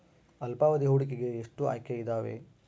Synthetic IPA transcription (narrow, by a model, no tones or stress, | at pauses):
ɐlpaːʋɐd̪iɦuːɽikeɡe̞ːʂʈua̰ːkʰjɐid̪aːʋḛ